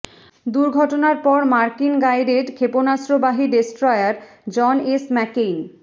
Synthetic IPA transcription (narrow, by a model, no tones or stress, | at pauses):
d̪uɾɡʱɔʈonaɾpɔɾmaɾkinɡajɖeɖkʰeponasɾobaɦiɖesʈɾɔjaɾ | d͡ʑɔnesmɛken